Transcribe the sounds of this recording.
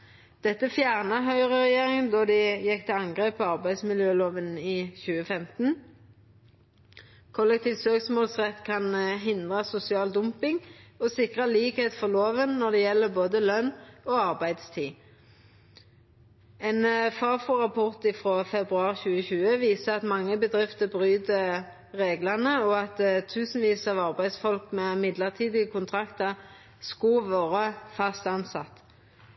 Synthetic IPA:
d̪̥ɛt̪ːəfjæːʁnəɦœʏʁəʁɛjeːʁɪŋənd̪ɔd̪ɪjɛkːt̪ʰɛɑŋɡʁeːpɔɑʁbæɪd̪smɪljøːloːʋəniːçʉːəfɛmt̪n̩ | kʰɔlɛk̚t̪ʰiːʋt̪søːksmoːlsʁɛt̪ːkʰɑnɦɪnd̪ʁəsʊsɪɑːld̪ʊmpɪŋosɪkʁəliːkheːt̪fɔʁloːʋənnɔd̪ɛːjɛlːəboːd̪əlœnoːɑʁbæɪd̪st̪ʰiː | ɛnfɑːfuʁɑpʰɔʁt̪ɪfʁoːfɛbʁʉɑːʁçʉːəçʉːəʋiːsəɑt̪mɑŋːəbəd̪ʁɪft̪əbʁyːd̪ə | ʁeːɡlɑʁnəɔɑt̪t̪ʰːʉːsn̩ʋiːsɑːʋɑʁbæɪd̪sfɔlkmɛmɪd̪ləʁt̪ʰiːd̪ɪəkʰʊnt̪ʰʁɑkt̪əʁ | skʊlʋɑːʁəfɑst̪ɑnsɑt̪

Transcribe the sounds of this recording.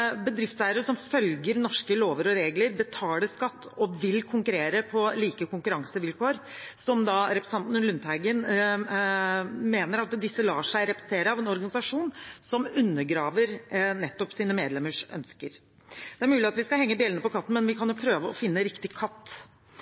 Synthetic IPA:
bəd̪ɾɪft̪sæːəɾəʂɔmfœlɡəɾnɔʂkəloːʋəɾɔɾeːɡləɾbət̪ʰɑːləskɑt̪ːɔʋɪlkʰʊŋkʉɾeːɾəpʰɔliːkəkʊŋkʉɾɑŋsəʋɪlkʰoːɾsɔmd̪ɑɾɛpɾəsɑnt̪nəlʉnt̪hæɪɡən | meːnəɾɑt̪d̪ɪsːəlɑːʂæɪɾɛpɾɛsət̪ʰeːɾəɑʋɛnɔɾɡɑnɪsɑʂuːnsɔmʉnːəɡɾɑːʋəɾnɛt̪ːɔpsiːnəmeːd̪lɛmːəʂœ̰nskəɾ | d̪̥ɛæɾmʉːlɪɑt̪ʋɪskɑhɛŋːəbiːlənəpɔkʰɑt̪ːn̩mɛnʋɪkʰɑnjʊpʰɾøːʋəɔfɪnːəɾɪkt̪ɪkʰɑt̪ː

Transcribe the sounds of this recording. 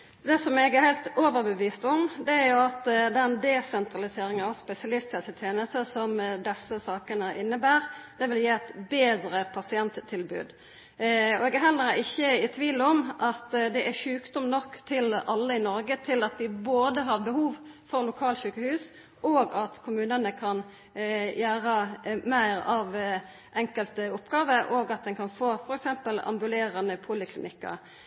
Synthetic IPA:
d̪ɛsɔmɛɡæɾhæɪlt̪oːʋəɾbəʋiːst̪ɔmd̪ɛæɾjʊɑt̪d̪ɛnd̪ɛsɛnt̪ʁɑlɪseːɾɪŋənɑʋspɛsɪɑlɪst̪ət̪ɪt̪ʰeːnəst̪əsɔmd̪ɛsːəsɑːkənəʔɪnːəbæːʁd̪̥ɛʋɪljeːɛt̪beːd̪ɾəpʰɑsɪɛnt̪t̪ʰːɪlbʉ̰ːd̪ | ɔɛɡæɦɛlːəɾɪçːəɪt̪ʰʋiːlɔmʔɑt̪d̪ɛʔæʃʉːkd̪ɔmnɔkːt̪ʰɪlɑlːəɪnɔɾɡət̪ʰɪlɑt̪̚d̪ɪboːd̪əɦɑʁbəhuːʋfɔʁlʊkʰɑːlʃʉːkəhʉːs | ʔoːɡɑt̪kʰʊmʉːnənəkʰɑn | jæːʁəmæɪʁɑʋ | ʔɛŋkəlt̪əʊpɡɑːʋəɾʔoɡɑt̪̚d̪ɛnkʰɑnfoːfɔɾɛksɛmpəlɑ̰mbʉleːɾɑnəpʰuːlɪkʰlɪnʔɪkːɑ̰ɾ

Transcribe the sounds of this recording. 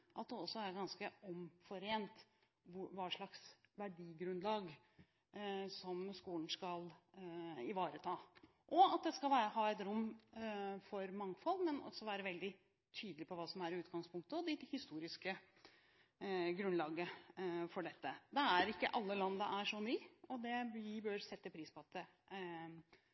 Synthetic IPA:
ʔɑt̪̚d̪ɛɔsːɔæɾɡɑnskəɔmfɔɾeːnt̪ | ʋɑːʂɭɑksʋæɖiːɡɾʉnlɑːɡ | sɔmskuːlən̩skɑl | ɪʋɑːɾət̪ʰɑː | ʔɔɑt̪̚d̪ɛskɑlʋæːɾəɦɑːɛt̪ɾʊmː | fɔɾmɑŋfɔlːmɛnɔ̰sːɔʋæːɾəʋɛld̪ɪ | t̪ʰyːd̪əlɪpʰɔʋɑːsɔmæɾʉːt̪ɡɑŋspʰʊŋkt̪əɔd̪ɛhɪst̪uːɾɪskə | ɡɾʉnlɑːɡəfɔɖɛt̪ːəd̪ɛæɾɪkːə̰ʔɑlːəlɑnd̪əʔæʂɔnyːɔd̪ɛɪbœɾsɛt̪ːəpʰɾiːspʰɔɑt̪̚d̪ɛ

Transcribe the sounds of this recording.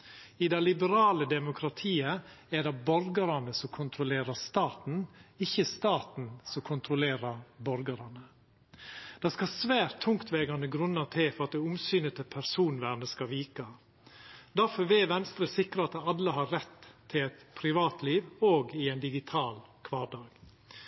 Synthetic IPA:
ɪd̪ɛɪlɪbəɾɑːləd̪ɛmʊkʰɾɑt̪ʰiːəæɖɛbɔɾɡəɾɑnəsɔmkʰʊnt̪ʰɾʊleːɾəst̪ɑːt̪n̩ɪçəst̪ɑːt̪n̩sɔkʰʊnt̪ɾʊleːɾɑɾbɔɾɡəɾɑnə | d̪̥ɑːskɑsʋæːɾt̪ʰːʊŋkt̪ʋɛːɡɑnəɡɾʉnːət̪ʰɪfɔɾɑt̪̚d̪ɛʊmsyːnət̪ʰəpʰæɾsuːnʋæːɾnəskɑʋiːkɑ | d̪æɾfɔɾʋɛːʋɛnst̪ɾəsɪkɾəɑt̪ɑlːəɦɑɾɾɛt̪ʰːɪlɛt̪pʰɾɪʋɑːt̪ʰliːʋoːɡɪɛɪnd̪ɪɡɪt̪ʰɑːlkʰʋɑːɾɖ̪ɑːɡ̥

